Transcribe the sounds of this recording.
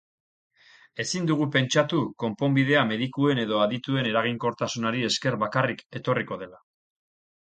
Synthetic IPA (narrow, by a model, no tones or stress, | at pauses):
e̞sind̪uɣ̞upe̞nt͡ʃat̪uko̞mpo̞mbið̞e̞ame̞ðikue̞ne̞ðo̞aðit̪ue̞ne̞ɾaɣ̞iŋko̞ɾt̪asunaɾie̞ske̞ɾβakarike̞t̪o̞riko̞ð̞e̞la